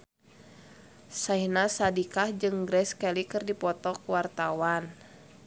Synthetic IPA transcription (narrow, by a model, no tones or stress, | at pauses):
saihnasadikahd͡ʒɨŋɡɾɛskɛlikɨrdipɔt̪ɔkuwart̪awan